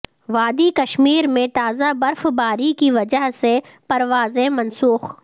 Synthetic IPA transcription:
ʋaːd̪ikɐʃmiːɾmẽt̪aːzabɐɾfbaːɾikiʋɐd͡ʒəɦse | pɐɾʋaːzẽmɐ̃nsuːx

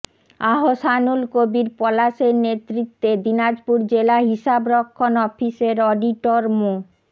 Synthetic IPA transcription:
aɦoʃanulkobiɾpɔlaʃeɾnet̪ɾit̪ːed̪inad͡ʑpuɾd͡ʑelaɦiʃabɾɔkʰːonɔfiseɾɔɖiʈoɾmo

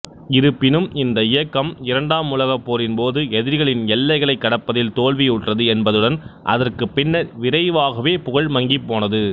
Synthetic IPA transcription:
ɪɾɯpːɪnɯmɪnd̪ɐɪjɐkːɐmɪɾɐɳɖaːmʊlɐɣɐpːoːɾɪnpoːðɯɛðɪɾɣɐɭɪnɛlːɐɪɣɐɭɐɪkːɐɽɐpːɐðɪlt̪oːɭʋijʊʈrɐðɯɛnbɐðɯɽɐnʔɐ̰ðɐrkɯpːɪnːɐʋɪɾɐɪʋaːɣɐʋeːpʊɣɐɭmɐŋɡipːoːnɐðɯ

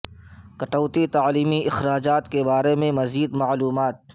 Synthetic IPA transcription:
kɐʈəːt̪it̪aːliːmiɪxɾaːd͡ʒaːt̪kebaːɾemẽmɐziːd̪maʕluːmaːt̪̚

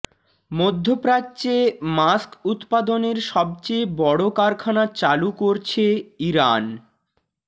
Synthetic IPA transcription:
mod̪ʱːopɾat͡ɕemaskut̪pad̪oneɾʃɔb̚t͡ɕebɔɽokaɾkʰanat͡ɕalukoɾt͡ɕʰeiɾan

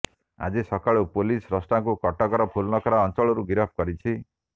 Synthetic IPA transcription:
a̰d͡ʒisɔkaɭopolisɾɔsʈaŋkukɔʈakɔɾɔpʰulnɔkɔɾaɔnt͡ʃɔɭɔɾuɡiɾɔpʰkɔɾit͡ʃʰi

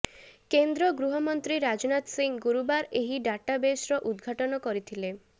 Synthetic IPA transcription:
kend̪ɾɔɡɾuɦɔmɔnt̪ɾiɾad͡ʒɔnat̪siŋɡuɾubaɾeɦiɖaʈabesɾɔʔud̪ɡʱaʈɔnɔkɔɾit̪ʰile

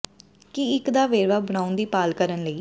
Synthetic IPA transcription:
kɪɪkd̪aːʋeːɾʋaːbəɽ̃aːʊnd̪iːpaːlkəɾənləiː

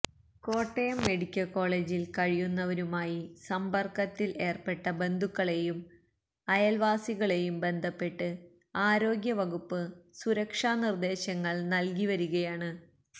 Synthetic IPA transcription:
ko̞ːʈːejɐmːe̞ɽikʲːɐko̞ːɭeːd͡ʑilkɐɻijunːɐʋɐɾumaːjisɐmbɐrkɐt̪ːilʔe̞ːrpe̞ʈːɐbe̞nd̪ʱukːɐɭe̞jum | ɐjɐlʋaːsiɣɐɭe̞jumbe̞nd̪ʱɐpːe̞ʈːɨ | aːɾo̞ːɡjɐʋɐɣupːɨsuɾɐkʂaːnird̪e̞ːɕɐŋːɐɭnɐlkiʋɐɾuɣɐjaːɳɨ

